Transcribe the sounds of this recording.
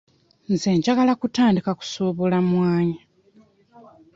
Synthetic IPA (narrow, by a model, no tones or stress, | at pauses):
nzeːɲɟaɡalakutaːndikaku̥so̞βolamwaːɲa